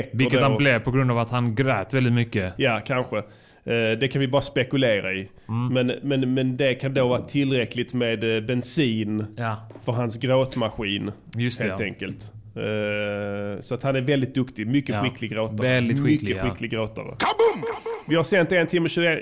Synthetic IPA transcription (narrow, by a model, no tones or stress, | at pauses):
kːɪdkːəɛhablɛvpʰɔɡɾɵnd̪avat̪hanɡɾœːt̪vɛld̪ɪt̪mʏkːəjakʰanɧə | d̪ɛkʰanvɪbɑːɾaspɛkɵleːɾa̰ɪ | mɛnmɛnmɛnd̪ɛkʰand̪oːvɑːɾat̪ʰɪlɾɛklɪt̪meːd̪bɛnsiːnfœɾɦansɡɾoːt̪maɧiːn | jheːlt̪ɛŋkəlt̪ | sɔat̪hanæɾvɛld̪ɪt̪̚d̪ɵkt̪ɪmʏkːəɧɪkʰːlɪɡɾoːt̪aɛld̪ɪɧmʏkːəɧɪkːlɪɡɾoːt̪a̰ɾə̰ | vɪhaɾsɛnt̪ɛnt̪ʰɪmːəɕʉːɡə